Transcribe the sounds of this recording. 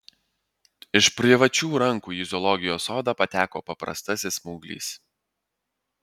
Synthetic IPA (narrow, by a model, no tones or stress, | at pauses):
ɪʃpʲɾʲɪʋɐt͡ʃʲuːɾɐŋkuːjɪzʲɔlˠɔɡʲɪjoːsoːd̪ɑːpɐt̪ʲæːkoːpɐpɾɐ̰st̪ɐsʲɪsmuːɡlʲḭːs